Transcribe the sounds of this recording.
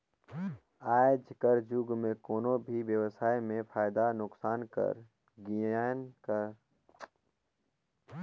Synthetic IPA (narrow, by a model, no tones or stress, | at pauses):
aːd͡ʒkəɾd͡ʒuɡmẽkoːnõbʱiwjəwsaːimẽpʰaːjd̪anʊksaːnkə̰ɾ | ɡijaːnkəɾ